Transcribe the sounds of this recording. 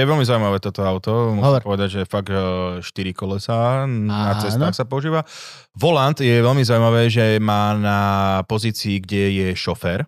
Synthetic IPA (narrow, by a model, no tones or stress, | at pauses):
jɛʋɛlmizaʊuimaʋɛːt̪ɔt̪ɔaʊt̪ɔmɔɦɔɔɾpɔʋɛd̪aɟʒɛfaɡʃt̪iɾikɔlɛsanat͡sɛst̪aːxsapɔuʒiːʋa | ʋɔlant̪jɛʋɛlmizauimaʋɛːʒɛmaːnapɔziːt͡siːɡɟɛjɛʃɔfɛːɾ